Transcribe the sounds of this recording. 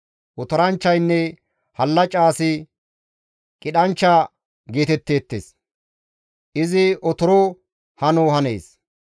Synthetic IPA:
ʔɔt̪ɔɾɐnt͡ʃːɐjnːɛ | hɐlːɐt͡ʃʼaːsɪ | kʼɪɗɐnt͡ʃːaː | ɡe̞ːt̪ɛt̪ːe̞ːt̪ːḛːs | ʔɪzɪʔɔt̪ɔɾo | hɐnoːɦɐnḛːs

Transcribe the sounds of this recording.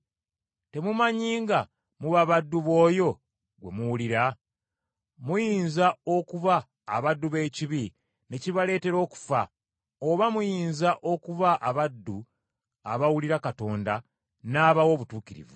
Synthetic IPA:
te̞mumaɲiːŋɡa | muβaβadːuβo̞ːjo̞ | ɡwe̞muwuliɾa | mujiːnzao̞kuβaː | βadːuβe̞ːciβi | ne̞ciβale̞ːte̞ɾo̞ːku̥fa | oβamujiːnzaʔo̞kuβaʔaβadːu | aβawuliɾakato̞ːnda | naːβawo̞ːβutuːkiɾḭvu

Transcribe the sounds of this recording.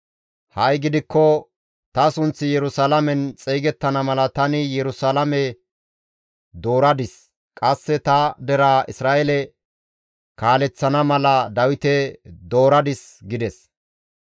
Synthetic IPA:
hɐjɡɪd̪ɪkːɔ | t̪ɐsʊnt͡sːɪjɛɾʊsalɐmɛnt͡sʼejɡɛt̪ːɐnɐmɐlɐt̪ɐnɪjɛɾʊsalɐmɛ | d̪o̞ːɾɐd̪ɪs | kʼɐsːɛt̪ɐd̪ɛɾaːʔɪsɾaːʔɛlɛ | kaːlɛt͡sːɐnɐmɐlɐd̪ɐwɪt̪ɛd̪o̞ːɾɐd̪ɪs | ɡɪd̪ɛs

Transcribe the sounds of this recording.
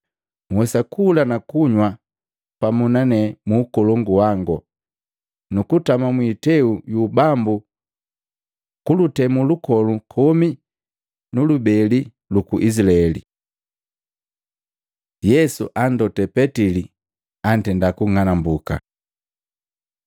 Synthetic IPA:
mwɛsakulanakuɲwa | pamunanɛmuːkɔlɔŋɡuwaŋɡɔ | nukutamamwitɛujubambu | kulutɛmulukɔlukʰɔmi | nulubɛli | lukuʔislaɛlḭ | jɛsṵʔan̩dɔtɛpɛtili | an̩tɛndakuŋanambuka̰

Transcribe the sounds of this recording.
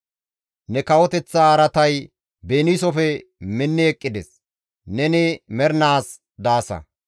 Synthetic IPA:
nɛkɐwɔt̪ɛt͡sːaːɾɐt̪ɐj | beːniːsɔfɛmɪnːɛɛkʼːɪd̪ɛs | nɛnɪmɛɾnaːs | d̪aːsɐ̰

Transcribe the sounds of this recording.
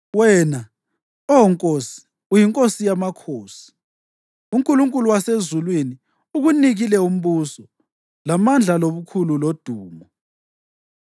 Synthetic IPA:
wɛːna | ɔɔŋkʼoːsi̥ | ujiŋkʼosijamakʰoːsi̥ | uŋkʼuluŋkʼuluwasezulwini | uɣuniɣilɛum̩βuːsɔ | lamand͡ɮʱaloβukʰululod̥ʱuːmɔ

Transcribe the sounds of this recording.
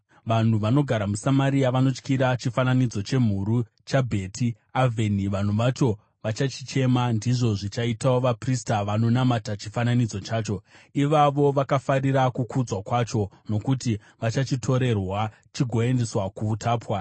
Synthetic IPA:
ʋan̤uʋano̞ɡʱaɾamusamaɾiaʋano̞t͡ʃkiɾat͡ʃifananid͡zo̞t͡ʃe̞m̤uɾu | t͡ʃabʱe̞tʰi | avʱe̞niʋan̤uʋat͡ʃo̞ | ʋat͡ʃat͡ʃi̥t͡ʃe̞mandiʐo̞ʐit͡ʃaitawoʋapristaʋano̞namatat͡ʃifananid͡zo̞t͡ʃaːt͡ʃo̞iʋaʋo̞ʋakafariɾakukʰud͡zwakwat͡ʃo̞ | no̞kuti | ʋat͡ʃat͡ʃitʰo̞ɾe̞rwa | t͡ʃiɡʱo̞e̞nde̞swakuːtʰaːpwa

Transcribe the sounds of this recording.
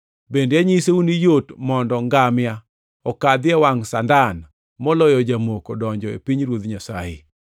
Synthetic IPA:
bendeaɲiseunijotmɔndɔŋɡamja | ɔkad̪ɪɛwaŋsandan | mɔlɔjɔd͡ʒamokodɔɲd͡ʒɔḛpiɲɾwod̪ɲasa̰jɪ̰

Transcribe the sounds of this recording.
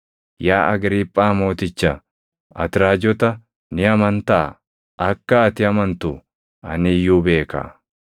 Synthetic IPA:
jaːʔɐɡɾiːpʼːaːmo̞ːt̪ɪt͡ʃːa | ʔɐ̰t̪ɪɾaːd͡ʒɔt̪ɐ | nɪɐmɐnt̪ɐa̰ | ʔɐkːɐːt̪ɪɐmɐnt̪ʊ | ɐ̰nɪjuːbe̞ːkɐ̰

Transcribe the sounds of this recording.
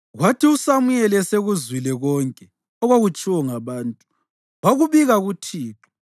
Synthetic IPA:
ɣwatʰiusamujɛlɛseɣuzwilɛɣɔŋkʼɛ | ɔɣwaɣut͡ʃʼiwɔŋaβaːntʼu | waɣuβiɣaɣutʰiːǁɔ̥

